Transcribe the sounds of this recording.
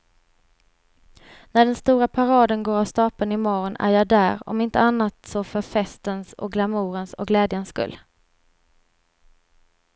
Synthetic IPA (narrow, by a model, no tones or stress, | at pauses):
næɖɛnst̪uːɾapʰaɾɑːd̪ənɡoːɾast̪ɑːpənɪmɔɾɔnæ̰ɾjɑːd̪æːɾɔ̰mɪnt̪əanːat̪sɔfœɾfɛst̪ənsɔ̰k̚ɡlamuːɾənsɔ̰kɡlɛːd̪jənsːkɵ̰lː